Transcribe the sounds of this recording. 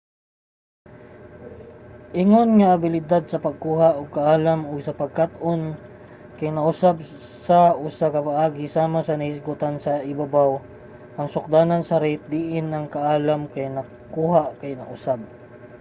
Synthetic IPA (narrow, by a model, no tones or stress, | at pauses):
ʔɪŋonŋɐʔːbɪlɪd̪ad̪̚sɐpɐɡ̚kuːɦaʔʊɡ̚kɐʔaːlɐmʊɡ̚sɐpɐɡ̚kat̪ʔon | kɐjnɐʔʊsab̚ | sɐʔʊsakɐpaʔaːɡɪsaːmasɐnɐhɪsɡʊt̪ansɐʔɪbabaw | ʔɐŋsʊk̚d̪aːnɐnsɐɾɪt̪̚d̪iʔɪnːɐŋkaʔaːlamkɐjnɐɡ | kuːɦakɐjnɐʔʊsab̚